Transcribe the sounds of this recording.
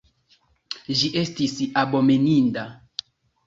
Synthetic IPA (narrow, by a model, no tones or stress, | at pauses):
ʒiʔe̞stisabomeninda